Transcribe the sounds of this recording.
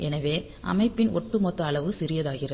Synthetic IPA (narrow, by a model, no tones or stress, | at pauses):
ʔɛnɐʋeː | ʔɐ̰mɐɪpːɪnʔɔ̰ʈːɯmɔt̪ːɐːɭɐʋɯsɪɾɪjɐðaːɣɪrɐ